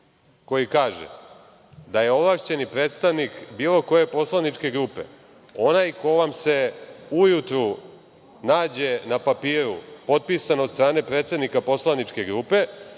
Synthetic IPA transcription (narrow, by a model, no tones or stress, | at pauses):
ko̞jikaːʒḛ | d̪aje̞o̞vlˠaʂt͡ɕe̞nipɾeːt̪st̪aʋnikbiːlo̞ko̞je̞po̞slanit͡ʂke̞ɡɾuːpe̞̰ | o̞najko̞ʋamse̞ujut̪ɾu | naːd͡ʑe̞napapiːɾupo̞t̪̚pisanot̪st̪ɾaːne̞pɾet̪se̞d̪nikapo̞slˠanit͡ʂke̞ɡɾupe̞